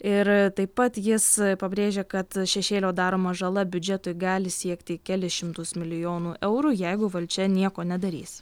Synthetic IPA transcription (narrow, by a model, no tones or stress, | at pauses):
ɪɾt̪ɐɪppɐt̪jɪspɐbʲɾʲeːʒʲeːkɐt̪ʃʲɛʃʲeːlʲoːd̪ɑːɾoːmɐʒɐlˠɐbʲʊd͡ʒʲɛt̪ʊjɡɑːlʲɪsʲiɛkt̪ʲɪkʲɛlʲɪʃʲɪmt̪ʊsmʲɪlʲɪjoːnuːʔɛʊɾuːjɛɪɡʊʋɐlʲt͡ʃʲɛnʲiɛkoːnʲɛd̪ɐɾʲḭːs